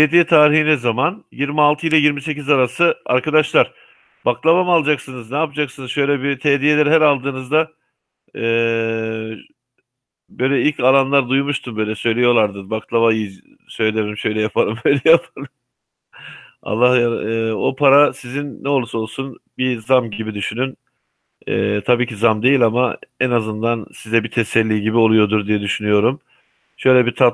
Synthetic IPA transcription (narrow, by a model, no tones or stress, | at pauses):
t̪ʰed̪ijɛt̪ʰaːɾihinɛzamanjiɾmialˠt̪ʰɯilʲˠajiɾmise̞cizaɾasɯa̰ɾkad̪aʃlˠaɾ̥ | b̥aklˠaβamalˠad͡ʒaksɯnɯznaːpad͡ʒaksɯnɯzʃø̞jlʲɛbit̪ʰeːd̪ijelʲæɾɦæɾalˠd̪ɯːnɯzd̪aː | bø̞jlʲɛilʲcalˠanlˠaɾd̪ujumuʃt̪ʰumbø̞jlʲɛsø̞jlʲejo̞lˠaɾd̪ɯbaklˠaβaji | sø̞jlʲeeɾʲimʃø̞jlʲɛjapʰaɾɯmbøjlʲɛjapʰalɯm | a̰lˠːahjao̞pʰaɾasizinːɛo̞lˠuso̞lˠsunbizamɟibid̪yʃynyn | ɛ̰ːt̪ʰabiːcʰizamd̪e̞jilʲamaɛnazɯnd̪ansizɛbit̪ʰɛsɛlʲːiːɟibio̞lˠujo̞d̪uɾd̪ijɛd̪yʃynyjo̞ɾum | ʃø̞jlʲɛbit̪ʰa